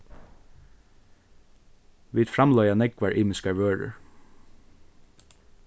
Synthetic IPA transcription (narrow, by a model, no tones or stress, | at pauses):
ʋiːd̪fɾɑmlœʏɑnɛɡʋɑɹʔiːmɪskɑɹʋøːɹə̰ɹ